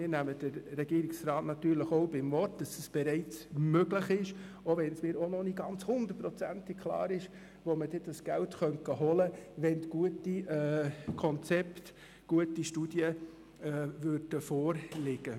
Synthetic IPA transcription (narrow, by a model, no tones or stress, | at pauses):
mɪːnæməd̥əɾːɛɡiːɾɪksɾɑːtnɑt̪yːɾləχoʊbɪmvɔrtd̥ɑsəsb̥ɛɾɛɪt͡smøɡləχɪʃ | oʋɛnsmɪːɾonɔniɡɑnt͡shʊnd̥̪ətprɔt͡sæntɪk̚kʰlɑ̰ːɾɪʃ | ʋoməd̥ɛd̥ɑsɡ̥æltχœntkəɦɔləʋɛndɡ̥uətiɛːkʰɔnt͡sɛpt | ɡ̥uətiʃtud̥jə | ɛvøɾd̥əfɔːɾlɪɡ̥ə